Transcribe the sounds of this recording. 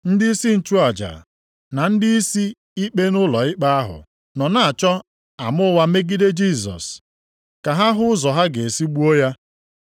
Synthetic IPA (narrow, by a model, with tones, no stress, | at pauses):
n̩˦dɪ˦i˦si˦n̩˦t͡ʃu˦a˨d͡ʒa̰˨ | na˨n̩˦dɪ˦i˦si˦ | i˦k͡pe˦nʊ˦lɔ˨ɪ˦k͡pa˦a˦ɦʊ̰˨ | nɔ˨na˨a˨t͡ʃɔ˦ | a˨mʊ˦wa˦me˦ɡi˦de˦d͡ʒi˦˨sɔ̰˨s | ka˨ɦa˦ɦʊ˦ʊ˦zɔ˨ɦa˦ɡe˨e˨si˦ɡ͡bu˦o˦ja˦